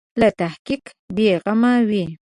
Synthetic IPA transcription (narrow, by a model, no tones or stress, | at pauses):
lat̪ahkik | beɣamawi